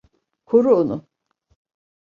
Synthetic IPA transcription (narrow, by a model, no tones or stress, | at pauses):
kʰoɾuonʊ